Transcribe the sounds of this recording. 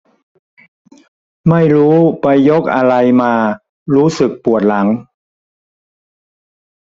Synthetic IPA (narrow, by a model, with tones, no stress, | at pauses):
ma˥˩jɾuː˦˥pa˧jːo˦˥k̚ʔa˧ɾa˧jmaː˧ | ɾuː˦˥sɯ˨˩k̚pu˨˩ət̪̚la˩˦˥ŋ